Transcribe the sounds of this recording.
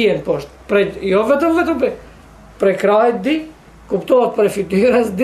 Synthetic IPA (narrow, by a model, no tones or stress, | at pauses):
ɛnpɔʃt̪pɾɛjɔvɛt̪əmvɛt̪əmpɛ | pɾɛkɾajɛt̪̚d̪i | kupt̪ɔɛt̪̚pɾɛfit̪yɾasd̪